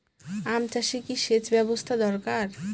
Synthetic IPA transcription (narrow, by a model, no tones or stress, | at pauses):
amt͡ɕaʃikiʃet͡ɕbɛbost̪ʰad̪ɔɾkaɾ